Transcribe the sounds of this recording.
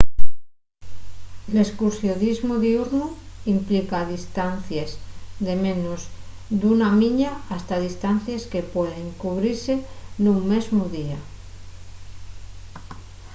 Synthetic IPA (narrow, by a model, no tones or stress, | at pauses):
eleskuɾsjoðizmuðiuɾnu | implikaðist̪an̟θjezðe̞mẽnoz | d̪unamĩɲaast̪aðist̪an̟θjeske̞pwe̞ðeŋkuβ̞ɾiɾse̞nũŋme̞zmuðia